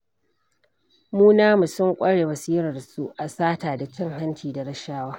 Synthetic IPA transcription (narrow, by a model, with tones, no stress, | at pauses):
muː˦naː˦mu˨sʊ˦ŋkʷʼɐ˦ɽeː˨wɐ˨siː˦ɾɐ˨rsu˦ʔʔa˨saː˦taː˨da˨t͡ʃɪ˦ŋɦa˦nt͡ʃiː˨da˨ɽɐ˦ʃaː˦waː˦